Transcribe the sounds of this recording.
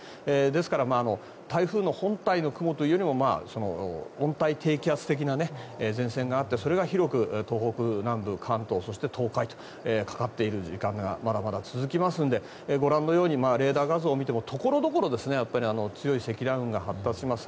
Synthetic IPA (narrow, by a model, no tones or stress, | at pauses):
ed̪e̞sɨ̥kaɾamaːno̞ | t̪aiɸɯ̟ːno̞hõ̞nt̪aino̞kɯ̟mot̪oijo̞ɾʲimo̞ma̰ːso̞no̞̰õ̞nt̪ait̪ʰe̞ːkʲiat͡sɨ̥t̪e̞k̬ʲinaneezẽ̞ɰ̃sẽ̞ŋɡaːt̪ːe̞so̞ɾe̞ɡaçiɾo̞kɯ̟t̪o̞ːho̞kɯ̟nãmbɯ̟kʰãnt̪o̞ːso̞ɕi̥t̪e̞t̪ʰo̞ːkait̪o | ekḁkat̪ːe̞iɾɯ̟ʑikãŋɡa̰mad̪amad̪at͡sɨzɨkʲimasɨ̃nd̪e̞ | ɡo̞ɾãnːo̞jo̞ːɲ̟imaːɾe̞ːd̪aːɡazɨːmʲit̪e̞mo̞t̪ʰo̞ko̞ɾo̞d̪o̞ko̞ɾo̞d̪e̞sɨne̞japːaɾʲiano̞t͡sɨjo̞ise̞kʲid̪ãɯ̟̃ŋɡahat̪ːaɕimasɨ̥